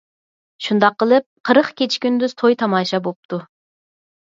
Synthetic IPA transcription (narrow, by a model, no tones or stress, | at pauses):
ʃund̪ɑqːəlˠɨp̚qʰəɾəχkʲet͡ʃʰkʲynd̪yz̥t̪ʰojt̪ʰɑmɑːʃɑbop̚t̪ʰu